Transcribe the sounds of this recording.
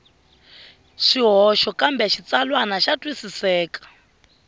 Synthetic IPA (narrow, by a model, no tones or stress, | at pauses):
ʃiɦɔʃɔkambɛʃit͡salwanaʃatʼwisisɛːkḁ